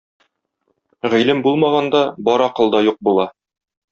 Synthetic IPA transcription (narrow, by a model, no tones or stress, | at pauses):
ʁĭjlɘmbulˠmɑʁɑnd̪ɑbɒɾɒqɤ̆lˠd̪ɑjuq̚bulˠɑ